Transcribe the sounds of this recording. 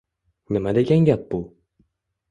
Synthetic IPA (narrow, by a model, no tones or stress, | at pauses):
nɨmad̪eɡʲaŋɡʲap̚bu